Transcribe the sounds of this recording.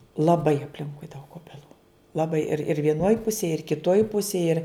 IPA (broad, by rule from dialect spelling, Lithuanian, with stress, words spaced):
lˠɐˈbɐɪ ɐpʲˈlʲɪŋkʊɪ dɐʊk oːbʲɛˈlˠuː lˠɐˈbɐɪ ɪr ɪr ʋʲiɛˈnoːj ˈpʊsʲeːj ɪr kʲɪˈtoːj ˈpʊsʲeːj ɪr